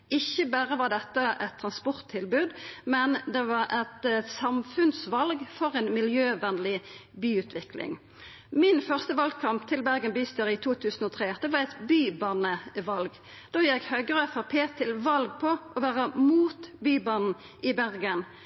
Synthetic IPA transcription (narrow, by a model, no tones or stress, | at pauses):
ɪçəbæːʁəʋɑʁd̪ɛt̪ːəʔɛt̪ʰːʁɑnspɔʁt̪ʰːɪlbʉːd̪mɛnd̪ɛʋɑɾɛt̪sɑmfʉnsʋɑlɡfɔʁɛnmɪljøːʋɛnlɪbyːʉːt̪ʰʋɪklɪ̰ŋ | mɪnfœʁst̪əʋɑlɡ̚kʰɑmpt̪ʰɪlbæʁɡənbyːst̪øːʁɪt̪ʰuːt̪ʰʉːsn̩ɔːt̪ʰʁeːd̪ɛʋɑʁɛɪt̪byːbɑːnəʋɑlɡ | d̪̥oːjɛkhœɡəʁəfɔpʰeːt̪ʰɪlʋɑlɡ̚pʰɔʔɔʋæːʁəmuːt̪byːbɑːnn̩ | ʔɪbæʁɡən